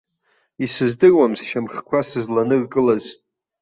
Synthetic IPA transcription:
isɨzdɨrwamsʃamχʲkʷʰasɨzlanɨrkʼɨlaz

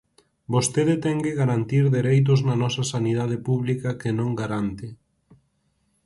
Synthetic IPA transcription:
bost̪eðet̪ɛŋɡeɣaɾant̪iɾðeɾejt̪̬ʊznɐnɔsɐsanið̞að̞epuβlikɐkenõŋɡaɾant̪ɪ

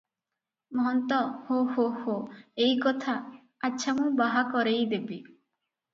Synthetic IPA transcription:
mɔɦɔnt̪ɔhohohoejkɔt̪ʰa | atːʃʰamũbaɦakɔɾejd̪ebi

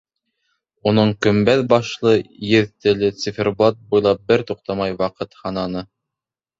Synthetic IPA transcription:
unɤɴkɵ̆mbæðbɑʃlˠɤjɘðt̪ɘ̆lɘt̪sifʲerblˠat̪̚bujlˠɑp̚bɘɾt̪uq̚t̪ɑmɑjwɑqɤt̪hɑnɑnɤ

